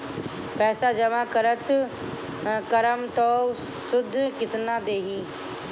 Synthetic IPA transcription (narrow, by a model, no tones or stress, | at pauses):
pɛːsaːd͡ʒəmãːkəɾət̪ | kəɾəmt̪oː | sʊd̪ʱːkɪt̪nãːd̪eːɦiː